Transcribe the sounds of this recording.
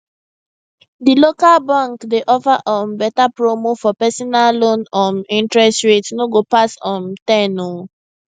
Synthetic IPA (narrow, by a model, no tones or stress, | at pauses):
dilokalbãŋkdeʔɔfaʔɔ̃mbɛtapɹomofɔpɛsɔnallõnɔ̃nĩntɹɛstɹetnoɡopasɔ̃ntɛnɔ